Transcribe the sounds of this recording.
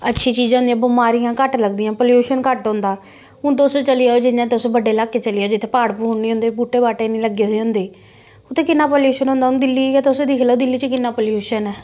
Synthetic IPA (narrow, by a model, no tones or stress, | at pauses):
ətːʃʰiːt͡ʃiːd͡ʒɦʊ̃nd̪iãːbʊmaːɾiːãːkəʈləɡd̪iːãːpəljuːʃənkəʈɦõnd̪aː | ʊnt̪ost͡ʃəliːaod͡ʒɪãːt̪eʊsbəɖeːlaːkːeːt͡ʃəliːoːd͡ʒɪt̪ʰːeːpaːɽpuːɦɳnĩːɦʊ̃nd̪eːbuːʈeːbaːʈeːnĩːləɡːeːseːɦʊ̃nd̪eː | ʊt̪ʰːẽːkɪnːaːpəljuːʃənɦõːnd̪aːʊnd̪ɪlːiːjat̪ːʊsed̪ikʰlaoːd̪ɪlːiːt͡ʃəkɪnːaːpəljuːʃənɛː